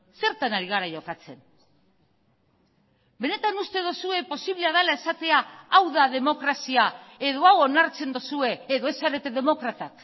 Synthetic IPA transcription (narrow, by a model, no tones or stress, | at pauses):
se̞ɾt̪anaɾiɣaɾaʝo̞kat͡se̞n | be̞ne̞t̪anust̪e̞ð̞osue̞po̞siβleað̞alae̞sat̪e̞aːwðaðe̞mo̞kɾasiae̞ðo̞awo̞naɾt͡se̞nd̪osue̞ːðo̞e̞saɾe̞t̪e̞ðe̞mo̞kɾat̪ak